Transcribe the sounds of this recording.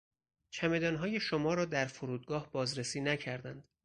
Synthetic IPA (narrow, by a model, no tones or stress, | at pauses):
t͡ʃʰæme̞d̪ɒːnɦɒːje̞ʃomɒːɾɒːd̪æɾfoɾuːd̪̚ɡɒːhb̥ɒːzɾesiːnæcʰæɾd̪ænd̪̥